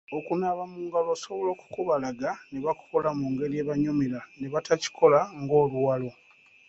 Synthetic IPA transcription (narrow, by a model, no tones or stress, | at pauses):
okunaːβamuːŋɡaloso̞βo̞lo̞ːku̥kuβalaɡaneβaku̥kolamuːŋɡe̞lieːβaɲomilaneβatʰaci̥kʰo̞laŋɡo̞ːluwalo̞